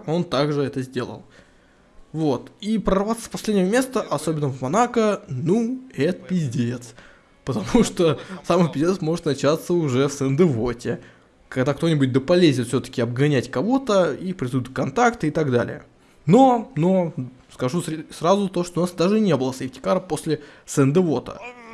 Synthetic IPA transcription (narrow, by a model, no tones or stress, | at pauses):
o̞nt̪aɡʐɨɛt̪əzʲdʲe̞lˠə̰lˠ | vo̞t̪ipɾərvat̪sə̥pɐsʲlʲedʲnʲjvəmʲe̞st̪əʔɐso̞bʲɪnːəvmɐnakənuɛt̪pʲɪzʲdʲeet̪s | pət̪ɐmuʂt̪osampʲɪzʲdʲet̪smo̞ʐɨt̪nɐt͡ɕat̪səʊʐɛfsɛnd̪ɨvotʲɪ | kɐɡd̪akt̪o̞nʲɪbʊt̚ʲd̪əpɐlʲezʲnʲɪt̪fsʲɵt̪ə̥kʲɪɐb̚ɡɐnʲætʲkɐvo̞t̪əipɾʲɪsud̪ʊt̪ʲkɐnt̪akt̪ɨɪt̪ɐɡd̪a̰lʲɪ̰jə̰ | no̞no̞ | skɐʐussrazʊt̪o̞ʂt̪oʊnasd̪aʐɨnʲe̞bɨlˠəsɪftʲɪ̥kaɾəpo̞sʲlʲɪsɛnd̪ɨvo̞t̪ə̰